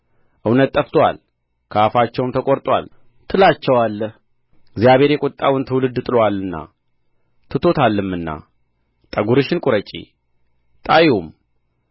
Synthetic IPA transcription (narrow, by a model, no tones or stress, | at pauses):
ʔɨwnət̪ʼːəft̪ʰwa̰l | kʰəafat͡ʃːɛwmt̪ʰəkʼoɾt̪ʼwa̰l | t̪ʰɨlat͡ʃːɛwalːəh | ɪɡzijaβe̞ɾjɛkʼɔt̪ʼːawɨnt̪ʰɨwlɨd̪ːɨt̪ʼɨloalːɨnːa̰ | t̪ʰɨt̪ʰo̞t̪ʰalːɨmɨnːa̰ | t̪ʼəɡuɾɨʃɪnkʼʊɾət͡ʃʼːḭ | t̪ʼajum